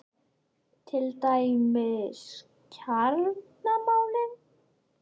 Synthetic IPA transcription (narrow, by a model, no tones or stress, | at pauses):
t̪ʰɪlt̪ajmɪðs | cʰaɾnamawlɪn